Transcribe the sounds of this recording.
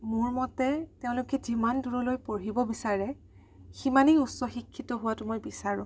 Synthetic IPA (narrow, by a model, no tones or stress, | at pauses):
mʊɹmɔtɛteʊ̃lʊkɛzimanduɹɔlojpoɹɦibɔbisaɹɛ | ximaniutsɔxikʰːitɔɦʊwatʊmojbisaɹʊ̰̃